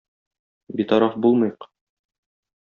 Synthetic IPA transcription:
bit̪ɒɾɑfbulˠmɤ̆jq

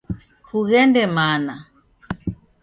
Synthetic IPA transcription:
huɣɛndɛmana

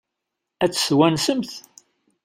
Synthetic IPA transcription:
æt͡sːswænsəmθ

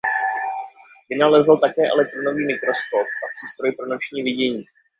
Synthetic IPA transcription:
bɪnalɛzlt̪akɛːʔɛ̰lɛk̚t̪ɾono̞viːmɪkɾo̞sko̞p̚ʔapr̥iːst̪ɾo̞jpɾo̞no̞t͡ʃɲiːvɪɟɛɲiː

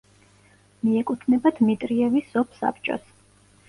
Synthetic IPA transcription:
miɛkʼut̪ʰnɛbad̪̥mit̪ʼɾiɛvisɔpʰsa̰p̚t͡ʃʼɔ̰s

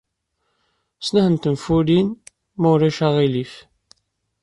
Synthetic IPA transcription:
snæhənt̪əmfulin | mæwɾæʃaʁilif

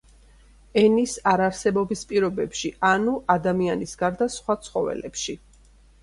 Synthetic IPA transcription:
ɛnisaɾaɾsɛbɔbispʼiɾɔbɛpʃiʔanuʔad̪amianisɡaɾd̪asχwat̪sʰχɔvɛ̰lɛpʃi

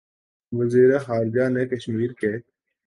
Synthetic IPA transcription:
ʋəziːɾexaːɾd͡ʒaːnekəʃmiːɾkeː

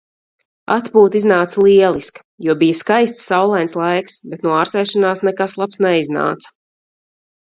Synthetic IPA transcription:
a̰t̪puːt̪iznaːt̪salˠiɛlˠiskḁ | juɔbijaskajst̪sːawlˠajnslˠajksbɛt̪nuɔaːɾst̪ɛjʃanaːsnɛkaslˠapsnɛizna̰ːt̪sɐ̥

